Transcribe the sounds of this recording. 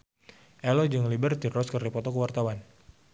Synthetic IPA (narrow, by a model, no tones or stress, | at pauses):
ʔɛlɔd͡ʒɨŋlibərt̪irɔskərdipɔt̪ɔkəwart̪awan